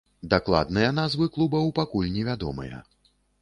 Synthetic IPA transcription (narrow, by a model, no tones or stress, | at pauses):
d̪aklˠa̰d̪nɨjɐnazvɨklˠubɐwpakulʲnʲɛvʲad̪ɔmɨ̰jɐ̰